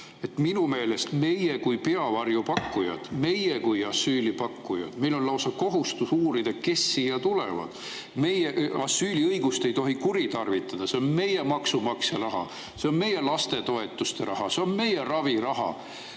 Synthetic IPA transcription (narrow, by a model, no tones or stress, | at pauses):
e̞t̪minume̞ːle̞st̪me̞jekujpe̞ɑvɑrjupɑkːujɑ̰d̪̥me̞jekujɑsːyːlipɑkːujɑ̰d̪̥me̞jlo̞nlɑwsɑko̞ɦust̪usuːɾid̪̥eke̞sːiːɑt̪ulevɑ̰d̪̥ | me̞jeʔɑsːyːliɤjɡ̥ust̪e̞jt̪o̞ɦikuɾit̪ɑrvit̪ːˑɑd̪̥ɑseonme̞je̞mɑksumɑkserɑɦɑ̰ | seo̞nme̞je̞lɑst̪e̞t̪o̞e̞t̪ːˑust̪e̞ɾɑɦɑse̞o̞nme̞je̞rɑvirɑɦɑ̰